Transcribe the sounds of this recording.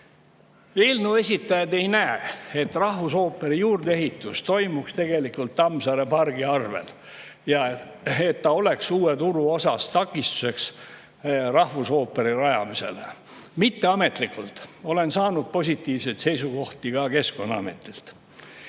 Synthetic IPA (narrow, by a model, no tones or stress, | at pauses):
elnue̞sʲit̪ːˑɑjɑd̪e̞jnæee̞t̪ːrɑhvuso̞ːpːˑe̞ɾijuːrd̪ee̞ɦit̪ːˑust̪o̞jmukst̪e̞ɡ̥e̞likːult̪ːɑmsɑɾe̞pɑrɡ̥iɑrve̞̰l | jɑ | et̪ːɑo̞le̞ksuːet̪uɾuo̞sɑst̪ɑkːˑist̪u̥se̞ks | rɑhvuso̞ːpːe̞ɾirɑjɑmise̞̰lḛ | mit̪ːe̞ɑme̞t̪likːˑult̪o̞le̞nsɑːnud̪̥̚po̞sʲit̪ːˑiːvsejt̪se̞jsuɡo̞ht̪iɡ̥ɑke̞sko̞nːɑɑ̰mḛt̪ːˑilt̪